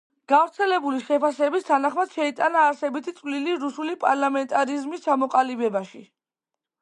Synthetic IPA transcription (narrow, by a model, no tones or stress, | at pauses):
ɡ̥avɾt̪sʰɛlɛbuliʃɛpʰasɛbist̪ʰanaχmad̪̥ʃɛit̪ʼanaːɾsɛbit̪ʰit̪sʼvliliɾusulipʼaɾlamɛnt̪ʼaɾizmist͡ʃʰamɔqʼalibɛbaʃi